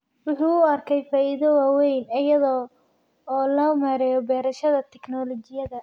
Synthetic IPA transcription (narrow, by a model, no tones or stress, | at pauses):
wʊħuːɐrkʰɛjfaːʔɪðɔwaːwɛjnɐjɐðɔː | lɔːmaɾɛjɔbɛːɾɐʃɐðɐt̪ʰɛknɔlɔt͡ʃɪjɐðɐ